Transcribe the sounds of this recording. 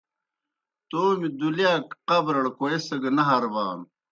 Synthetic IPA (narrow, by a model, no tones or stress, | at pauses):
t̪oːmid̪uljaːkqɐbɾɐɽkoesɐɡɐnɐɦɐɾbaːn